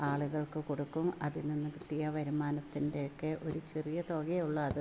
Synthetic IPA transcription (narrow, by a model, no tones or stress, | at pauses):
aːɭuɣɐɭkɨko̞ɽukːumɐðilninːɨkɨʈ̪ːijɐʋɐɾumaːnɐt̪ːindejokːeʔo̞ɾut͡ɕerijɐt̪o̞ːɣeuɭːɐːðɨ